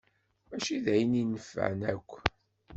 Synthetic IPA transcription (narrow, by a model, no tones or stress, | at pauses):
æʃiðæjəninəfæ̰ʕnæ̰kʷː